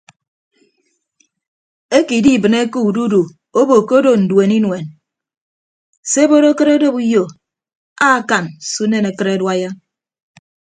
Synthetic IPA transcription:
e˦ki˨di˦˨bɨ˨ne˦ku˦u˨du˦du˨ | o˦bo˨ko˦do˨n̩˨dwe˨ni˦nwe˨n | se˦bo˦ɾo˦kɨ˦ɾo˦do˦bu˦jo˨ | a˦˨ka˨nsu˦ne˦ne˨kɨ˦ɾe˦dwa˦ja˦

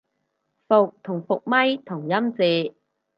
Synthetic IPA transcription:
fʊ˨k̚t̪ʰʊ˨˩ŋfʊ˨k̚mɐ˥jt̪ʰʊ˨˩ŋjɐ˥mt͡siː˨˧

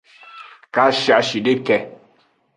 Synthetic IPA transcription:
ka˦ʃi˨a˨ʃi˨de˦kɛ˨˦

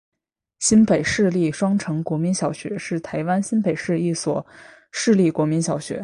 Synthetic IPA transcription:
ɕi˥npe˨˩ɪʂɻ̩˥˧li˥˩ʂwɑ˥ŋʈ͡ʂʰɤ˧˥ŋkwɔ˧˥mi˧˥nɕjɑ˨˩ʊɕɥɛ̰˧˥ʂɻ̩˥˩t̪ʰa˧˥ɪwa˥nɕi˥npe˨˩ɪʂɻ̩˥˧i˥˩swɔ˨˩ | ʂɻ̩˥˧li˥˩kwɔ˧˥mi˧˥nɕjɑ˨˩ʊɕɥɛ̰˧˥

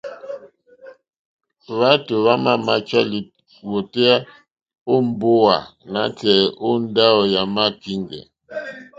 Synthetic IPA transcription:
βa˦tu˨βa˦ma˦ma˨t͡ʃa˦li˨ | wo˨tɛ˦a˦ | o˦m˦bo˦wa̰˨na˨˦tɛ˨ʔo˦n˦da˦ɔ˨ja˨ma˦ki˦ŋɡɛ̰˨

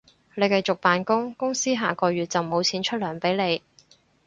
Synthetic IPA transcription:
ne˨˧jkɐ˨˧jt͡sʊ˨k̚paː˨nkʊ˥ŋkʊ˥ŋsiː˥ɦaː˨kɔː˧ɥyː˨˩t̚t͡sɐ˨wmo˨˧wt͡sʰiː˨˥nt͡ʃʰɵ˥t̚lœː˨˩ŋpe˨˥jle˨˧j

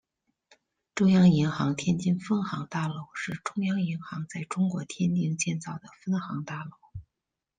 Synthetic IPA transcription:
ʈ͡ʂʊ˥ŋjɑ˥ŋi˧˥ŋxɑ˧˥ŋt̪ʰjɛ˥nt͡ɕi˥˧ŋfə˥nxɑ˧˥ŋt̪a˥˩lo˥˩ʊʂɻ̩˥˩ʈ͡ʂʊ˥ŋjɑ˥ŋi˧˥ŋxɑ˧˥ŋt͡sa˥˩ɪʈ͡ʂʊ˥ŋkwɔ˧˥t̪ʰjɛ˥nt̪i˥˧ŋt͡ɕjɛ˥˧nt͡sɑ˥˩ʊd̪ə˩fə˥nxɑ˧˥ŋt̪a˥˩lo˥ʊ

